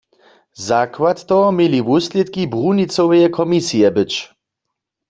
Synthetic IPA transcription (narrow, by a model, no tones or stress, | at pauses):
zakwat̪t̪ɔmiliʋusljɛt̪kibʁunit͡sowɛjɛkʰɔmisijɛbɪt͡ʃ